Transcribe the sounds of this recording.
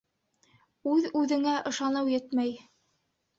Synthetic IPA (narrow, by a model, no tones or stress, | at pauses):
ʉðʉðɘ̆ŋæʔɤ̆ʃɑnɤwjɘt̪mæj